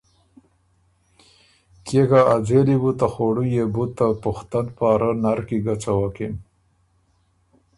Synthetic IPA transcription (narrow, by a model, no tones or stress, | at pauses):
kekaad͡zelibut̪axoɽujebut̪ːapʊxt̪anpaːɾanaɾkiɡat͡sawakin